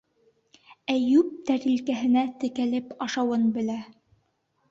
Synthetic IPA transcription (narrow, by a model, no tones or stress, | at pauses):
æjʉp̚t̪æɾilkæɦɘ̆næt̪ɘ̆kælɘpɑʃɑwɤnbɘ̆læ